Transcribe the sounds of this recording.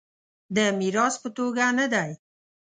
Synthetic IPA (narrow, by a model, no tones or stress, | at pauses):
d̪əmiɾɑspət̪oɡanad̪aj